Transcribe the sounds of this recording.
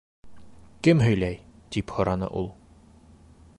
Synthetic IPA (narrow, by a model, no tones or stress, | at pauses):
kɘmɦɵ̆jlæjt̪iphŏɾɑnɤ̰ʔulˠ